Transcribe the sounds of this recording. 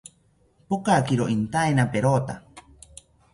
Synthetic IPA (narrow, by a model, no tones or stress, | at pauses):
pokakiɾoʔint̪aenapeɾoːt̪a